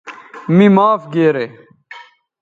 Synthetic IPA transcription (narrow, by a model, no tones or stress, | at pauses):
mimaːfɡeːɾe